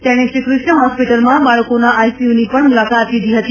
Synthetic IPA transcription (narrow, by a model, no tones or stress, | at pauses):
t̪eɽ̃ẽʃɾikɾʊʃɳəɦɔspiʈəlmãbaɭəkonaʔajsiunipəɳmulakat̪lid̪ʱiɦət̪i